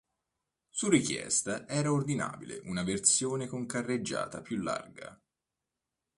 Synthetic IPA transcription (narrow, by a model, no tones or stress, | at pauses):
surikjɛ̰st̪aʔɛːɾaord̪ina̰ːbileʔunavert̪sjoːnekoŋkarːed͡ʒːa̰ːt̪apjulːa̰rɡa̰